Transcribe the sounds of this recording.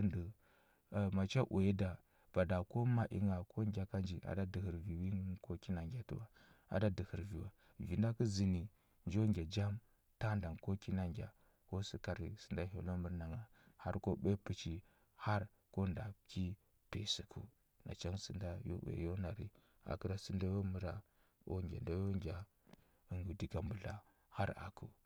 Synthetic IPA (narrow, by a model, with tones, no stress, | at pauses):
ndə˨ | ma˨t͡ʃa˦ʔu˨e˦da˨ | b̥a˨da˨ko˦ma˨ʔḭ˦ŋa˨kʰo˦ŋɡʲa˨ka˦nd͡ʒi˨ʔa̰˨da˦də˨hə˨ɾvi˨wi˦ŋ˦ko˦ki˦na˨ŋɡʲa˨tṵ˦wa˨ | a̰˨da˦də˨hi˨ɾvi˨wa˨ | vi˨nda˦ku˦zi˨ni˨ | nd͡ʒo˦ŋɡʲa˨d͡ʒa˦m | ta˦nda˨ŋko˦ki˦na˨ŋɡʲa̰˨ | ko˦sə˦ka˨ɾi˨sə˨nda˦ɦo̰˨lo˦mə˦ɾna˨ŋa˨ | ha˦ɾko˦ɓe˦pu˦t͡ʃi˨ | ha˦ɾ | ko˦nda˨ki˦ | pe˨si˨kʰṵ˦ | na̰˨t͡ʃa˦ŋsə˨nda˦jo̰˦wḛ˨jo˦na˨ɾḭ˨ | a̰˨kə˦ɾa˦sə˦nda˦jo˦mə˦ɾa˨ | o̰˦ɡʲa̰˨nda˦jo˦ŋɡʲa˨ | ə˨ŋɡu˨di˨ɡa˨mbu˨ɮa˨ | ha˦ɾa̰˨kʰu˦